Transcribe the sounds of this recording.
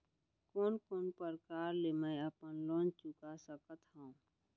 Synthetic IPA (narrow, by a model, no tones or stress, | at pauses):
koːnkoːnpəɾkaːɾlemə̃jəpənloːnt͡ʃʊkasəkət̪ɦaũ